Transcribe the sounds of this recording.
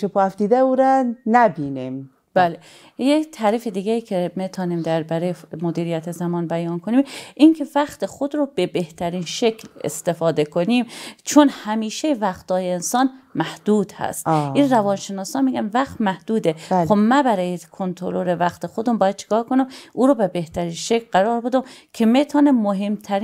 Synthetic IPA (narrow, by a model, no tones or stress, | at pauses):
ʃepoæfd̪iːd̪æuɾɛnæbinim | b̥æle | jet̪ʰæɾifed̪iːɡeiːcʰemet̪ʰɒːniːmd̪æɾbæɾejmod̪iːɾijæt̪ʰezæmɒːnbæjɒːnkʰonimʔiŋcʰe̞væxt̪exod̪ɾobebe̞ht̪ʰæɾiːnʃekʰlḛst̪e̞fɒːd̪e̞kʰoniːmt͡ʃʰonhæmiːʃevæχt̪ɒːjeensɒːnmæhd̪̥uːd̪hæ̰st̪ʔinrævɒːnʃenɒːsɒːnmiːɡænvæxt̪mæhd̪̥uːd̪exobmæbæɾɒːjekʰont̪ʰoloɾevæxt̪exod̪ombɒːjæd̪̚t͡ʃʰe̥kɒːhkʰonimʔuːɾobebeht̪ʰæɾiːnʃekʰlɢæɾɒːɾbe̞d̪omkʰemet̪ʰɒːnemoɦemt̪ʰæɾ